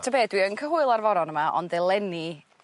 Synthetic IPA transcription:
tʰəbeːdwiənkʰəɦʊɨlˠarvɔɾɔnəmaʔɔ̰ndɛlˠɛni

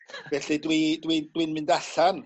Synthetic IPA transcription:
vɛɬidwidwidwɪnmɨndaɬan

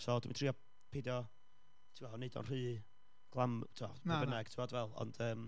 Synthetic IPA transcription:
sɔdmintʰriːɔ | pʰedjɔ | tʰiwɔnedɔ̰nr̥ɨː | ɡ̥lˠamtʰuwɔ̰abənɛɡ̥tʰɪwɔdvɛlˠɔ̰nd̥əːm

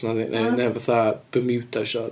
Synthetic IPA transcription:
naðḭnʔɛnɛvaθab̥əmɪwdaʃɔ

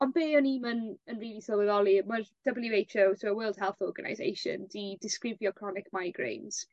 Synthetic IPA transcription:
ɔnbeːɔniːmənənriːlˠisələðɔlˠimərd̥əbəlˠiejtʰowzʰəwəːlˠd̥hɛlˠθɔrɡəna̰jzḛjʃə̰ndidɪskrɪvjɔkʰr̥ɔnɪkʰmajɡɹḛjnz̥

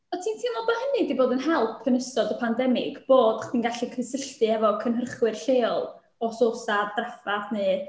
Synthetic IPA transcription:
ɔtʰiːntʰiːnɔlˠbahənɨdiboːdənɦɛlˠpʰːənəsɔdəpʰandɛmɪ̰ɡ̥b̥oːdaχd̥iːnɡaɬikʰrɨsəɬtɨɛvɔkʰənɦərχwɨrɬeːɔlˠ | ɔsoːsadrɛfaθnɨː

